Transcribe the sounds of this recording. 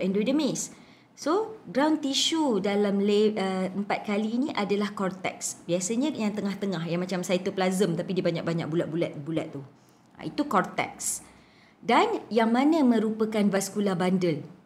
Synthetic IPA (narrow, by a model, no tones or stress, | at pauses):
ɛndodəmis | soɡɾawnt̪iʃudalamleəəmpat̪̚kaliːniʔadalahkɔrt̪ɛ̰ksbiasəɲə̃jaŋt̪əŋaht̪əŋaɦjaŋmãt͡ʃamsajat̪uplazəmt̪apidiəbaɲak̚baɲa̰k̚bulat̪̚bulat̪̚bulat̪̚ːu | a̰it̪ukɔrt̪ɛ̰k̚s | danjaŋmãnə̃mə̃ɾupəkanbaskulabandəl